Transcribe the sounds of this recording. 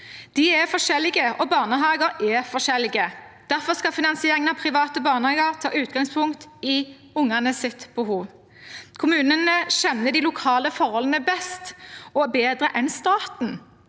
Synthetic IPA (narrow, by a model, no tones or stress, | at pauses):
d̪̥ɪɛfɔʂɛlːɪɡəʔɔbɑːʁnəɦɑːɡəɾɛfɔʂɛlːɪɡəd̪̥æʁfɔskɑfɪnɑnsɪeːɾɪŋənɑpʰʁɪʋɑːt̪əbɑːʁnəhɑːɡəʁt̪ʰɑ̰ːʔʉːt̪ɡɑŋspʰʊŋkt̪ɪ | ʊŋænəsɪt̪bəɦuːʋ | kʰʊmʉːnənəʃɛnːəd̪ɪlʊkʰɑːləfɔʁhɔlənəbɛst̪ɔbeːd̪ʁəʔɛnst̪ɑːt̪n̩